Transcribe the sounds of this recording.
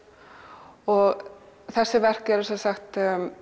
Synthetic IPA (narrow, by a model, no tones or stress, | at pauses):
ɔɣ | θɛsːɪvɛr̥kɛɾɛsasaxt̪